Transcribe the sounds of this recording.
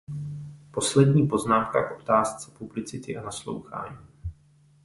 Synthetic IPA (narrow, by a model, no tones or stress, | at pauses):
po̞slɛdɲiːpo̞znaːmkaʔʔo̞t̪aːst͡sɛ̥publɪt͡sɪt̪ɪʔanaslo̰wxa̰ːɲiː